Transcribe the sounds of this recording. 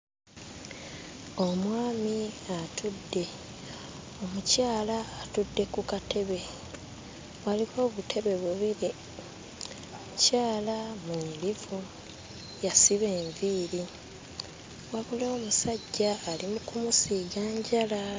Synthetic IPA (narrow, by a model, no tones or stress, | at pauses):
o̞mwaːmiatʰudːe̞ | o̞mucaːlaːtudːe̞kukate̞βe̞ | waliβo̞ːβutʰe̞βe̞βuβiɾi | omucaːlamulivu | jasiβe̞ːɱviːɾi | waβuloːmusaɟːaːlimukumusiːɡaːɲɟala